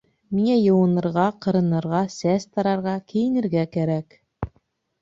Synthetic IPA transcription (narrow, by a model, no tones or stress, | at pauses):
miŋæjɤ̆wɤ̆nɤ̆ɾʁɑqɤ̆ɾɤ̆nɤ̆ɾʁɑsæst̪ɑɾɑɾʁɑkɘ̆jɘ̆nɘ̆ɾɡækæɾæk